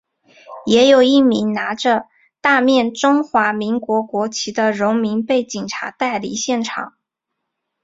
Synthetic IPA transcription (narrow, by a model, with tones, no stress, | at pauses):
jɛ˧˥jo˨˩ʊi˥˩mi˧˥ŋna˧˥ʈ͡ʂə˧ | t̪a˥˧mjɛ˥˩nʈ͡ʂʊ˥ŋxwa˧˥mi˧˥ŋkwɔ˧˥kwɔ˧˥t͡ɕʰi˧˥d̪ə˧ɻʊ˧˥ŋmi˧˥ŋpe˥˩ɪt͡ɕi˨˩ŋʈ͡ʂʰa̰˧˥t̪a˥˩ɪlḭ˨˩˦ɕjɛ˥˩nʈ͡ʂʰɑ̰˨˩˦ŋ